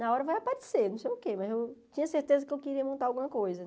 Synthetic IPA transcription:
nɐɔɾɐvajapaɾesenɐ̃w̃sejʊkemɐzewt͡ʃĩɲɐseɾt̪ezɐkɪewkeɾiɐmõnt̪aɾawɡũmɐkojzɐ

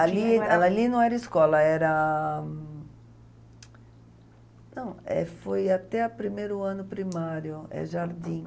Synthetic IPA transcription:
alialinɐ̃w̃ɛɾɐiskɔlɐɛɾɐ | nɐ̃w̃ɛ̰fojat̪ɛɐpɾimejɾʊɐ̃nʊpɾimaɾjʊɛ̰ʒaɾd̪ĩ

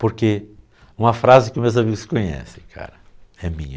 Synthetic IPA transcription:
poɾke | ũmɐfɾazɪkɪʊmewzamiɡʊskõɲɛ̰sẽ̥̰kʰa̰ɾɐɛmḭ̃ɲɐ

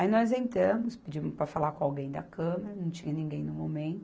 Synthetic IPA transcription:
ainɔzẽnt̪ɾɐ̃mʊspɪd͡ʒimʊspɾɐfalakõawɡẽj̃d̪ɐ̰kɐ̃meɾɐnɐ̃w̃t͡ʃĩɲɐnĩɡẽj̃nʊmomẽnt̪ʊ

